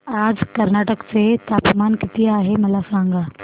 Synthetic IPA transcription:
aːd͡ʒkɐɾnaːʈəkset̪aːpmaːnkɪt̪iaːɦemɐlasãːŋɡaː

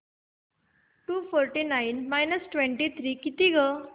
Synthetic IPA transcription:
ʈufɔɾʈinainmajnəsʈʋɛ̃ɳʈit̪ʰɾiːkit̪iɡə

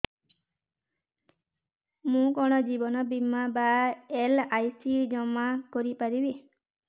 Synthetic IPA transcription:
mũkɔɽ̃ɔd͡ʒibɔnɔbimabaelajsid͡ʒɔmakɔɾipaɾibi

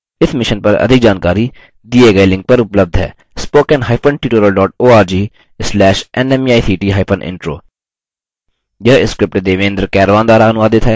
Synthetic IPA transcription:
ɪsʰmɪʃənpəɾə̰d̪ʱɪk̚d͡ʒaːnkaːɾiː | d̪iːeːɡəiːlɪ̃ŋk̚pəɾʊpləb̚d̪ʱɦɛ̰ː | spoːkɛ̃ːnɦaːɪpʰənʈiːʈoːɾəlɖɔːʈ̚oːaːɾd͡ʒiː | slɛːʃɛːnɛːmiaːit̪ʰiːʈiːɦaːɪpʰənʔɪ̰ɳʈɾo̰ː | jəːɪskɾɪp̚ʈːd̪eːʋẽːnd̪əɾkɛːɾʋãːnd̪aːɾaːənʊʋaːd̪ɪt̪ʰɦɛː

